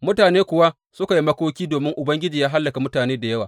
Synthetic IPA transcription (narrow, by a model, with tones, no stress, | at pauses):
mʊ˦taː˨neː˦kʷʊ˨wa˦ | sʊ˦ka˨ji˦mɐ˦kʷoː˦kʲiː˦doː˨mɪ˦ŋʔʊ˨bɐ˦ŋɡʲɪ˦d͡ʒiː˨jaː˦ɦa˦lːɐ˨ka˨mʊ˦taː˨neː˦da˨jɐ˦waː˨